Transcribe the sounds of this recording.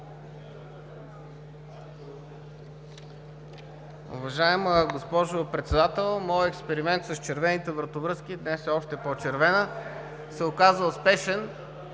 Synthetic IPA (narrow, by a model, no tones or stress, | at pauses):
ʊ̰vɐʒaɛməɡospɔʒopɾɛt̪sɛd̪at̪ɛlˠmɔjɛkspɛɾimɛnt̪sɐst͡ʃɛɾvɛnit̪ɛvɾɐt̪ovɾɤskid̪nɛssɔʃt̪ɛpɔt͡ʃɛɾvɛnə | sɛokazəspɛʃɛn